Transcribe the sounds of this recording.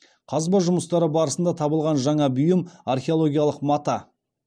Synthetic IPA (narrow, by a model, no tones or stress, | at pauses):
qʰɑzbɑʒʊməst̪ɑɾəbɑɾəsənd̪ɑt̪ʰɑbəlˠʁɑnʒɑɴɑbʊjəmarχʲeo̞lˠoɡʲijalˠəqmɑt̪ɑ